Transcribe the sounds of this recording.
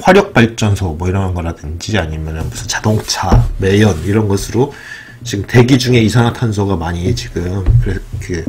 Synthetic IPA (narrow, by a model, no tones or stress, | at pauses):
ɸwaɾjʌk̚p͈aɭt͡ɕ͈ʌnsʰʌmwʌiɾʌɦanɡʌɾadɯnd͡ʑiaɲimjʌnɯnbusʰɯnt͡ɕadoŋt͡ɕʰame̞jʌniɾʌnɡʌsʰɯɾo | t͡ɕiɡɯmte̞ɡid͡ʑuŋe̞isʰaŋɦatʰans̬ʰoɡamaɲiɦet͡ɕiɡɯmkɯɾekɯ